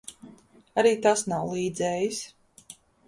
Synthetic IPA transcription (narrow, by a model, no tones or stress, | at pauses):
aɾiːt̪asnawlˠiːd̪zɛːjis